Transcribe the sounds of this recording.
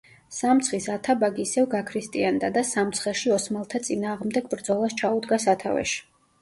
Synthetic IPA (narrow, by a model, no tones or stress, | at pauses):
samt̪sʰχisat̪ʰabaɡiːsɛvɡakʰɾist̪ʼiand̪ad̪asamt̪sʰχɛʃiɔsmalˠt̪ʰat̪sʼinaːʁmd̪ɛɡ̚bɾd̪zɔlˠast͡ʃʰaud̪ɡasat̪ʰa̰vɛ̰ʃi̥